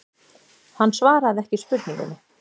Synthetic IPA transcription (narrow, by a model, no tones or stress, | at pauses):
hanːsvaːɾaðɛhcɪspʏt̪nĩŋkʏ̰nʏ